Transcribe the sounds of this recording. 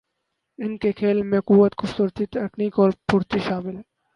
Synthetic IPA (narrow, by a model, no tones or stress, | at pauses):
ɪnkekʰeːlmẽquːwːət̪ɡʊfsʊɾt̪it̪eːkniːkɔːɾpʊɾt̪iʃaːmɪl